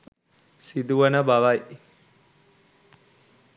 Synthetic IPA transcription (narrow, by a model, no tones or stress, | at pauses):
sid̪uʋənəbaʋaj